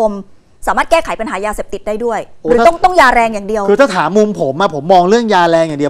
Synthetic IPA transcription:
o˧m | saː˩˦maː˥˩t̪̚kɛː˥˩kʰa˩˦jpa˧nɦaː˩˦jaː˧seː˨˩p̚t̪i˨˩t̪̚daː˥˩jdu˥˩əjɾɯː˦˥˦ɔ˥˩ŋt̪ɔ˥˩ŋjaː˧ɾɛː˧ŋjaː˨˩ŋdi˧əwkʰɯː˧t̪ʰaː˥˩t̪ʰaː˩˦mːu˧mpʰo˩˦mʔa˧˩pʰo˩˦mːɔː˧ŋɾɯ˥˩əŋjaː˧ɾɛː˧ŋjaː˨˩di˧ə

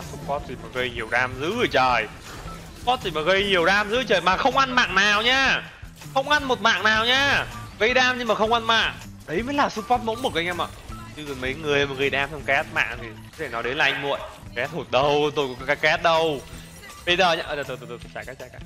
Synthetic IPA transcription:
su˦˥p̚fɔ˦˥t̚t̪ʰi˨˩maː˨˩ɣə˧jɲi˨˩əwɗaː˧mzɨ̰˧˥ɣɨ˧˩jt͡ɕəː˨˩j | ssu̥˦˥fɔ˦˥t̚t̪ʰi˧˩maː˨˩ɣə˧jɲi˨˩əwɗaː˧mzɨ̰˧˦ɨ˧˩t͡ɕəː˨˩jmaː˨˩xə˧wŋ͡mʔa˧nma̰ː˧˨ŋnaː˨˩wɲaː˧ | xə˧wŋ͡mʔa˧nmo˨˩t̚ma̰ː˧˨ŋnaː˨˩wɲaː˧ɣə˧jɗaː˧mɲɨ˧ŋmaː˨˩xə˧wŋ͡mʔa˧nma̰ː˧˨ŋ | ɗə˨˦jmə˨˦jlaː˨˩su˦˥fɔ˦˥t̚mo̰˧˥nmo˨˩t̚kaː˨˧˦jʔa˧mə̰ː˧˨˩t͡ɕɨ˧˨˩mə˨˦jŋɨ˨˩əjmaː˨˩ɣə˧jɗaː˧msɔ˧wŋ͡mkɛ˦˥t̚ma̰ː˧˨ŋt̪ʰi˨˩˨ɗe˧˩nɔ˨˦jɗe˨˦nlaː˨˩ʔa˧ŋmṵ˧˨əjkɛ˨˦˥t̚ho˨˩t̚ɗə˧wt̪o˧jkɔ˨˩kkaː˨˦jkɛ˦˥t̚ɗə˧w | ɓə˧jzəː˨˩ɲaː˧ʔəː˧˩ə˨˩t̪o˧jt̪o˧˩t̪ːt̪ʰt͡ɕaː˧˩kaː˦˥t͡ɕaː˧˩jka˦˥

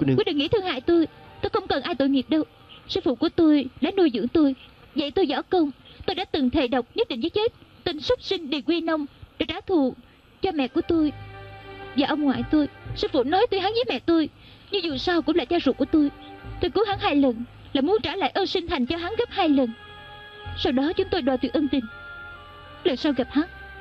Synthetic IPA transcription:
wi˦˥ɗḭ˨ŋḭ˧˥t̪ʰɨ˧əŋha̰ː˧˨jt̪o˧jt̪o˧jxə˧wŋ͡mkə˨˩nʔaː˧jt̪o̰˧˨jŋi˨˩əp̚ɗə˧w | sɨː˧fṵ˧˨ku˧˩ət̪o˧jɗa̰ː˧˥nu˧jzɨ̰˧˥əŋt̪o˧jzə̰˧˨jt̪o˧jzɔ˧˩˦kə˧wŋ͡mt̪o˧jɗaː˧˥t̪ɨ˨˩ŋt̪ʰe˨˩ɗə˨˩wk͡p̚ɲɨ˦˥t̚ɗḭ˧˨ŋ̟zə˨˦˥t͡ɕe˦˥t̚t̪i˧nsə˦˥k͡p̚sï˧ŋ̟ɗi˨˩kwi˧nə˧wŋ͡mɗḛ˧˩t͡ɕaː˧˦t̪ʰu˨˧˨ | t͡ɕɔ˧mɛ̰˧˨ku˧˩ət̪o˧j | vaː˨˩ʔə˧wŋ͡mŋwa̰ː˧˨jt̪o˧jsɛ˧˥vṵ˧˩nɔ˨˦jt̪o˧jɦaː˨˦ŋziː˨˦˥mɛ̰˧˨t̪o˧jɲɨ˧zṵ˨˩saː˧wkʊ̰˧˥ŋ͡mla̰ː˧˨t͡ɕaː˧zṵ˧˨˩ku˧˩ət̪o˧jt̪o˧jku˨˦haː˨˦ŋhaː˧jlə˨˩n | laː˨˩jmu˨˦nt͡ɕaː˧˩la̰ː˧˨jʔəː˧nsï˧ŋ̟t̪ʰa˨˩jŋ̟t͡ɕɔ˧ɦa˨˦ŋɣə˦˥p̚haː˧jlə˨˩n | sa˧wɗɔ˨˦t͡ɕʊ˨˦ŋ͡mt̪o˧jɗwa˨˩t̪wi˨˩ʔə˧nt̪ï˨˩ŋ̟ | lə˨˩nsaː˧wɣa˨˩p̚haː˨˦ŋ

